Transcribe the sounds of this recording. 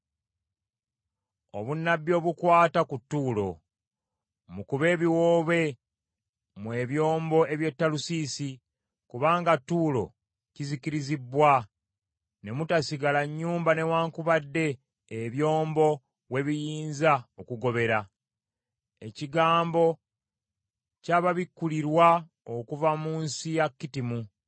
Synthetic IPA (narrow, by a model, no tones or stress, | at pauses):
o̞̰βunːabjo̞ːβukwaːtakutːuːlo̞̰ | mukuβe̞ːβiwoːβe̞ | mwe̞βjo̞ːmbo̞e̞βje̞tːalusiːsi | kuβaːŋɡatːuːlo̞̰ | ciziciɾizibwa | ne̞mutasiɡalaɲːuːmbane̞waːŋkuβadːe̞ː | βjo̞ːmbo̞ | we̞βijiːnzaokuɡo̞βe̞ɾa | e̞̰ciɡaːmbo̞ | caβaβikːuliɾwa | okuvamuːnsijakːitimu